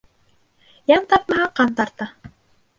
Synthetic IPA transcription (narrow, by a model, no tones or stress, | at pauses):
jɑnt̪ɑpmɑʁɑqɑnt̪ɑɾt̪ɑ